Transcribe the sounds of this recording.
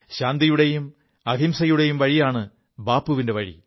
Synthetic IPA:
ɕaːnd̪ijuɽejum | ɐɡʱimsɐjuɽejumʋɐɻijaːɳɨ | baːpːuʋindeʋɐɻḭ

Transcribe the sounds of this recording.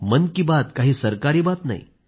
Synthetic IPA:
mənkiːbat̪kaɦiːsəɾkaɾiːbat̪na̰ḭ

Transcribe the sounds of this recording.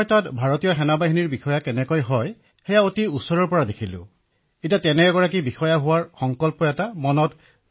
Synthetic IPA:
ɹtatbʱaɹotijɔxɛnabaɦiniɹbixɔjakɛnɛkɔjɦɔj | xɛjaotiutsɔɹɔɹpɔɹadekʰilʊ̰̃ | itiatɛnɛɛɡɔɹakibixɔjaɦʊwaɹxɔŋkɔlpɔɛtamɔnɔt

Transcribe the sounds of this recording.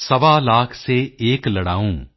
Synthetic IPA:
səʋaːlaːkʰseːeːkləɽa̰ːũː

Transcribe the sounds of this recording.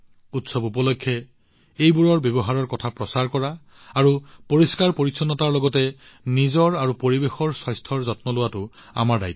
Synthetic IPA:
utsɔbupɔlokʰːjɛ | ejbuɹɔɹbjɔbɔɦaɹɔɹkɔtʰapɹɔsaɹkɔɹa | aɹupoɹiskaɹpoɹisʰɔnɔtaɹlɔɡɔtɛ | nizɔɹaɹupoɹibexɔɹswɔjstʰɔɹzɔtmɔlʊwatʊ | a̰maɹda̰jtːɔ̥

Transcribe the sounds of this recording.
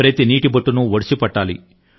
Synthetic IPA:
ɾet̪iniːʈibɐʈːunuʋoɽisipɐʈːaːlḭ

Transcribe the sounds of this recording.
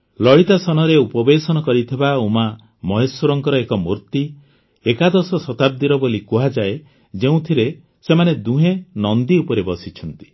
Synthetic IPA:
lɔɽit̪asɔnɔɾeupɔbesɔnɔkɔɾit̪ʰibauma | mɔɦeswɔɾɔŋkɔɾɔekɔmuɾt̪i | ekad̪ɔsɔsɔt̪ab̚d̪iɾɔbolikuɦad͡ʒae | d͡ʒeũt̪ʰiɾe | semaned̪uɦenɔnd̪iupɔɾebɔsit͡ʃʰɔnt̪i̥

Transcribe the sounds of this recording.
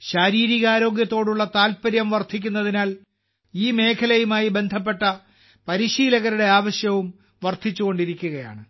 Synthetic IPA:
ɕaːɾiːɾiɣɐaːɾo̞ːɡjɐt̪ːo̞ːɽuɭːɐt̪aːlpɐɾjɐmʋɐrt̪ʰik̬ʲːunːɐðinaːl | iːme̞ːkʰɐlɐjumaːjibe̞nd̪ʱɐp̬ːe̞ʈːɐ | pɐɾiɕiːlɐɣɐɾuɽe̞aːʋɐɕjɐʋum | ʋɐrt̪ʰit͡ɕːuɣo̞ɳɖiɾikʲːuɣɐja̰ːɳɨ

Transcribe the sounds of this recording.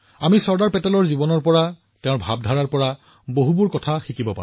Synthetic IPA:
amisɔɹdaɹpɛtɛlɔɹzibɔnɔɹpɔɹa | tɛʊ̃ɹbʱab̚dʱaɹaɹpɔɹa | boɦubuɹkɔtʰaxikibɔpa̰

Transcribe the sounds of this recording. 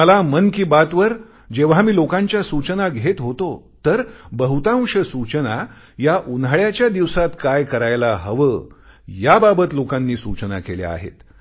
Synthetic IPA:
məlamənkiːbat̪ʋəɾ | d͡ʑeʋ̤ɦamiːlokãɲt͡ɕjasut͡ɕənaɡʱet̪ɦot̪o | t̪əɾbəɦut̪ãŋʂəsut͡ɕəna | jaʔunɭjat͡ɕjad̪iʋsat̪kajkəɾajlaɦəʋəjababət̪lokãnːiːsut͡ɕnakeljḛa̰ɦḛt̪

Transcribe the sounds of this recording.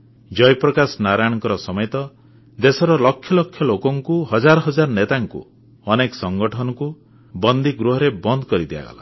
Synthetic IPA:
d͡ʒɔjpɾɔkasɔnaɾajɽ̃ɔŋkɔɾɔsɔmɔjt̪ɔ | d̪esɔɾɔlɔkʰːjɔlɔkʰːjɔlokɔŋkuɦɔd͡ʒaɾɔɦɔd͡ʒaɾɔnet̪aŋkṵ | ɔnekɔ̥sɔŋɡɔʈʰɔnɔku | bɔnd̪ʱiɡɾuɦɔɾebɔnd̪ɔkɔɾid̪iba̰ɡɔ̰la̰

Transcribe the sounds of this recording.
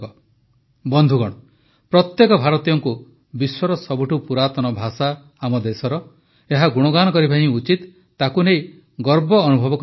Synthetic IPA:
ɔ | bɔnd̪ʱuɡɔɽ̃ɔ | pɾɔt̪jekɔbʱaɾɔt̪ijɔŋku | biswɔɾɔsɔbʱuʈupuɾat̪ɔnɔbʱasaː | mɔd̪esɔɾɔ | eɦaɡuɽ̃ɔɡañɔkɔɾibʱaɦĩut͡ʃit̪ː | akunej | ɡɔɾbɔːnubʱɔbɔk

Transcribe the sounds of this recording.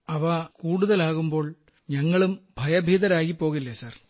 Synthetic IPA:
ɐʋɐkuːɽuðɐlaːɣumbo̞ːɭ | ɲɐŋːɐɭumbʱɐjɐbʱiːðɐɾaːjipːo̞ːɣilːesaːr

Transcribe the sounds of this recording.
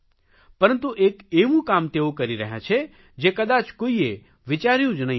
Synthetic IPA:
pəɾənt̪uʔekeʋũkamt̪eokəɾiɾə̰ɦjã̰t͡ʃʰe | d͡ʒekəd̪at͡ʃkoie | ʋɪt͡ʃaɾjũd͡ʒnəɦĩ

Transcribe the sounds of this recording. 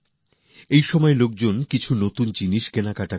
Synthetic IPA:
ejʃɔmɔelok̚d͡ʑonkit͡ɕʰunot̪und͡ʑiniʃkenakaʈa

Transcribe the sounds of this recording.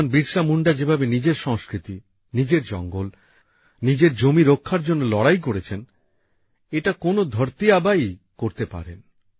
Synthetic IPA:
nbiɾʃamuɳɖad͡ʑebʱabenid͡ʑeɾʃɔŋskɾit̪i | nid͡ʑeɾd͡ʑɔ̰ŋɡol | nid͡ʑeɾd͡ʑomiɾokʰːaɾd͡ʑonːolɔɽajk̬oɾet͡ɕʰen | eʈakonod̪ʱoɾt̪iabajkoɾt̪epa̰ɾḛn

